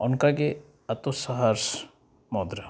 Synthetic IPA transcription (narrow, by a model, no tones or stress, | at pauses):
ɔnkake | ɐt̪osaɦaɾs | mɔːd̪ɾa